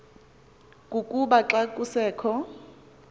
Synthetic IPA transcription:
kʼukʼuɓaǁakʼusɛːkʰɔ

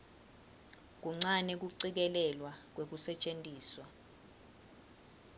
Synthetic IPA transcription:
k̬uŋ͡ǀanɛk̬uǀik̬ɛlɛlwak̬wek̬usɛt͡ʃʼentʼiːswa

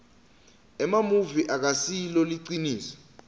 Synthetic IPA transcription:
ɛmamuviʔak̬asiloliǀiniːsḁ

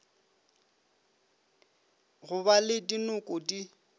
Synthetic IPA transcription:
ɣʊbalɪdinʊkʼʊdi

